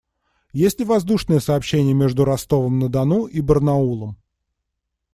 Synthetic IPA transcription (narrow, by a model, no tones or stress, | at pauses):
jesʲtʲɪvɐzd̪uʂnəjəsɐːpɕːenʲɪjəmʲe̞ʐd̪ʊɾɐst̪o̞vəmnəd̪ɐnuʔibərnɐulˠəm